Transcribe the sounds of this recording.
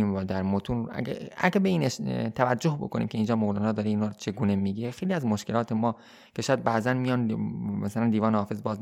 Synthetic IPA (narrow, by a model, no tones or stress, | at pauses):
mvɒd̪æɾmot̪ʰun̰ɡæ̰ɡæbe̞iːneʃt̪ʰævæd͡ʒd͡ʒːo̞hbo̞̰kʰo̞nʔḭmcʰe̞ind͡ʒɒːmoɣlɒːnɒːd̪ɒːɾeiːnut͡ʃʰe̞ɡuːnemiɡiɾexe̞jliæzmoʃke̞lɒːt̪ʰe̞mɒː | kʰe̞ʃːjæd̪̚bæʔzænmijɒnmæsælænd̪iːvɒːnehɒːfe̞zbɒːz